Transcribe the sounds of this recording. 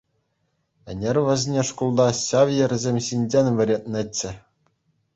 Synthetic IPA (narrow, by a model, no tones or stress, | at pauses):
ɘ̆nʲerʲʋʲɘ̆zʲnʲeʂkulˠd̪ɑɕɑʋʲjɘ̆rʲzʲemʲɕinʲd͡ʑenʲʋʲɘ̆ɾʲet̪̚ʲnʲɘ̆t͡ɕːɘ̆